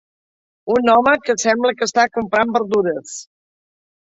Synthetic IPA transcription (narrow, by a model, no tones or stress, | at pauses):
unɔməkəsɛmbləkəst̪akumpɾambəɾðuɾəs